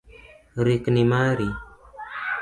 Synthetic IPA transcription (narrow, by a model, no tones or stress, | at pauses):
ɾiknimaɾi